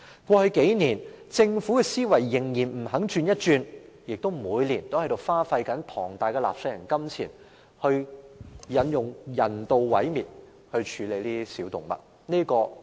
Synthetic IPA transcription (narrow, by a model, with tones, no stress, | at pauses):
kʷɔː˧hɵ˨˧ke˨˥jniː˨˩n | t͡sɪ˧ŋfu˨˥kɛː˧siː˥wɐ˨˩jːɪ˨˩ŋjiː˨˩nm̩˨˩ɦɐ˨˥ŋt͡ʃyː˧njɐ˥t̚t͡ʃyː˧n | jɪ˨k̚t̪o˥wmuː˨˧jliː˨˩nt̪o˥whɐ˧˥jt̪o˨˧wfaː˥fɐ˧jkɐ˨˥npʰɔː˨˩ŋt̪aː˨˧jkɛː˧la̰ː˨p̚sɵ˧jɐ˨˩ŋkɐ˥mt͡sʰḭː˨˩n | hɵ˧ɥ | jɐ˨˧njʊ˨ŋjɐ˨˩nt̪o˨wwɐ˨˥jmiː˨t̚ | hɵ˧ɥt͡ʃʰyː˨˧le˨˧jliː˥isiː˨˥wt̪ʊ˨ŋmɐ̰˨t̚ | niː˥kɔː˧